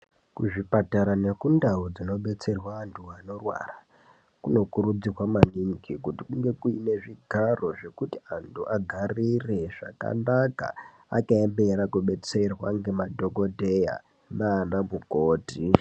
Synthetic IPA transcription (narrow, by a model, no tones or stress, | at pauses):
kuʐipataɾane̞kundaud͡zino̞ɓe̞t͡se̞rwaːntʰuano̞rwa̰ra | kuno̞kuɾud͡zirwamaniŋkʰikutikuŋɡe̞kuine̞ʐiɡʱaro̞ʐe̞kutiantʰuʔaɡʱarire̞ʐa̰ka̰naka̰ | a̰kaembe̞rakuɓe̞t͡se̞rwaŋɡe̞madʱo̞ɡo̞dʱe̞ja̰ | naːndamukoːti